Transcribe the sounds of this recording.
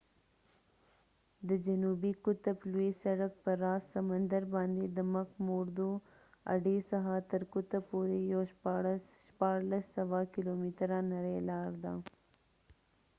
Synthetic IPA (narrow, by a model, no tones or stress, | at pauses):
d̪əd͡ʒanubikʊt̪əpluisɐɽək̚pəɾɑːssɐmənd̪əɾbɑːnd̪ed̪əmakmoɾd̪o | a̰ɖesaɦat̪əɾkʊt̪apoɾejoʃ | ʃpɑːɾlasːɐʋakilomit̪ɾanɐɾelɑːɾd̪aː